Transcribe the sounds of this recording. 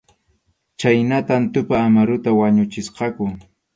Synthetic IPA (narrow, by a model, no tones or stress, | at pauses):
t͡ʃajnat̪ant̪ʊpaːmaɾʊt̪awaɲʊt͡ʃɪsqɑkʊ